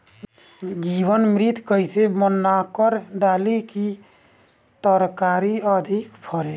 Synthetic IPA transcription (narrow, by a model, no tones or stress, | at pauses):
d͡ʒiβənmɾit̪kəjsemənːakəɾɖaliki | t̪əɾkaɾiəd̪ʱikpʰəɾe